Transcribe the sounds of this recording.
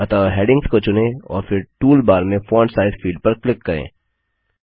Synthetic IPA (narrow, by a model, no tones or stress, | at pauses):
ɐt̪aɦeːɖɪ̃ŋɡskot͡ʃʊnẽɔ̰ːɾfɪɾʈuːlbaːɾmẽfɔːɳʈsaːɪzfiːɖ̚pɐɾklɪkːɐɾḛ̃ː